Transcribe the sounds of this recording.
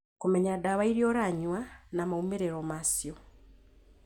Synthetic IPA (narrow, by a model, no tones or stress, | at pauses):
kumeɲadaβaiɾjoɾaɲwanamaumeɾeɾomasjo